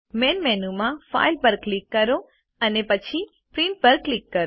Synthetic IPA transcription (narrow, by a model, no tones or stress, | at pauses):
menmɛnumãfa̰jlbəɾklikːəɾo | ənepət͡ʃʰi | pɾĩɳʈ̚bəɾklikːəɾ